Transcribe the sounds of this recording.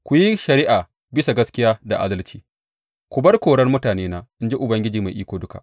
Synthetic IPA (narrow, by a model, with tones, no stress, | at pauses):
kʷʊ˨ji˦ʃɐ˨ɾɪ˦ʔa˨ | bɪ˦sa˨ɡɐ˦skʲɪ˦jaː˦da̰˨ʔa̰ː˦dɐ˦lt͡ʃiː˦ | kʷʊ˨bɐ˦rkʷoː˨ɽɐ˦rmʊ˦taː˨neː˦naː˦ʔɪ˦nd͡ʒe˦ʔʊ˨bɐ˦ŋɡʲɪ˦d͡ʒiː˨ma˨jʔiː˦kʷoː˨dʊ˦ka̰˨ʔ